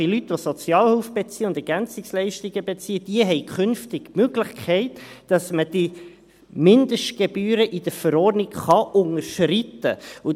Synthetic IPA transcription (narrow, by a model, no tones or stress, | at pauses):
ilytːʋosɔt͡sjɑːlhuːfb̥et͡siːəʊndɛɾɡ̥ænt͡sɪkslɛɪʃtiɡəbet͡siːəd̥iəɦɛɪkʰχɵnftɪɡmøɡlɪχkʰɛɪt | d̥ɑsməd̥i | mɪnd̪əʃtɡ̥ebyːɾəʔid̥əɾfəɾɔːrnɪkχɑʔʊŋəɾʃrɪt̪ə̰u